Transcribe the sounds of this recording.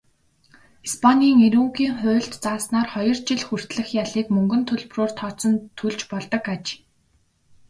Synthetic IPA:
ispʰaniːŋeɾuːŋɡiːŋχʊ̟ːɬt̪t͡saːsnaːrχɔjɞ̆rt͡ɕɪɮxur̥t̪ɮɘ̆xjaɮiːkmɵŋɡɵ̆nt̪ʰɵɮproːr̥t̪ʰɔːt͡sɞ̆nt̪ʰːuɮt͡ɕpɔɮt̪ɞ̆kat͡ɕ

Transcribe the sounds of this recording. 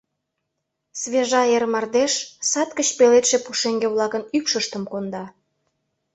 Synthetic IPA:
sβeʒɑermɑrd̪eʃsɑt̪kət͡ɕpelet̪ʃepuʃeŋɡeβlɑkənykʃəʃt̪əmkond̪ɑ

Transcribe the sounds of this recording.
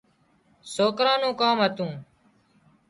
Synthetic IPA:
soːkɾãːnũːkaːmɦət̪ũː

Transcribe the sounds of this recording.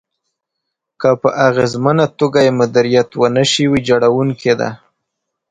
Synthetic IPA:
kəpəʔaɣezmanat̪oɡajemʊd̪aɾijat̪wənəʃiwid͡ʒaɽawuŋked̪a̰

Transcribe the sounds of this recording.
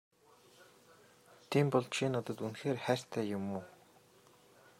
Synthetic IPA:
t̪ʰiːmpɔɮt͡ɕʰinɔt̪ɞ̆t̪unxeːrχæːr̥t̪ʰæːjʊmuː

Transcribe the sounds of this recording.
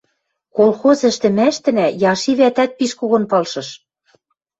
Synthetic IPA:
kolxozɘ̆ʃt̪ɘ̆mæʃt̪ɘ̆næjɑʃiβæt̪æt̪̚piʃkuɣɤ̆npɤlʃɤ̆ʃ

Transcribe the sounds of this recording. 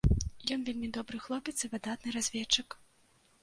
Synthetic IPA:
jɔnvʲelʲmʲid̪ɔbɾɨxlˠɔpʲɛt̪sɨvɨd̪at̪nɨɾazʲvʲɛt͡ʂɨk

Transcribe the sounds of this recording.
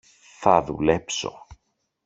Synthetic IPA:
θɐðṵle̞pso̞̰

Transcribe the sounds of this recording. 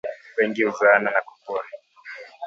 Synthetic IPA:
wɛŋɡiuzananaku̥kua

